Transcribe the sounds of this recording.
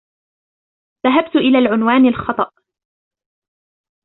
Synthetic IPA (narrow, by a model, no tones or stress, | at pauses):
ðaɦab̚t̪ʊʔɪlaːlʕʊnwaːnalxɑt̪ˤɑʔ